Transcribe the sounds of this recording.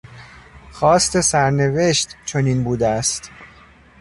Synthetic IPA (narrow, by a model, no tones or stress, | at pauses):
xɒːst̪e̞sæɾneve̞ʃt̪t͡ʃʰoniːnbuːd̪eæst̪